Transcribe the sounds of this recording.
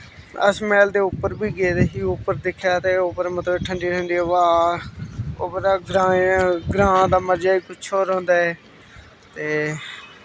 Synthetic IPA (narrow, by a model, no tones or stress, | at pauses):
ə̰smɛːld̪eːʊpːəɾbʱiːɡeːd̪eɦiːʊpːəɾd̪ɪkʰjaːt̪eːʊpəɾmət̪ləbʈʰəɳɖiːɾəɳd̪iːʋaː | oːbəd̪aːɡɾaːɡɾãːd̪aːməd͡ʒaːiːkʊt͡ʃʰoːɾɦõːnd̪aːɛː | t̪eː